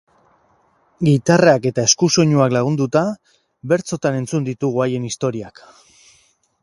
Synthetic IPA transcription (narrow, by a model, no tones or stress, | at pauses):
ɡit̪araake̞t̪ae̞skuso̞ɲuaklaɣ̞und̪ut̪a | be̞ɾt͡so̞t̪ane̞nt͡sund̪it̪uɣ̞uaje̞nist̪o̞ɾiak